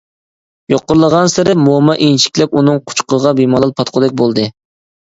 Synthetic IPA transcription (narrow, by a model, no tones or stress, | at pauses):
joqːʊɾlˠəʁɑnsɪɾɪmomɑʔinʃi̥kʲlɛp̚unɨŋqʰʊ̥t͡ʃqəʁɑbimɑlˠɑlˠpʰɑt̪qʰʊd̪ɛk̚ʲbolˠd̪ɨ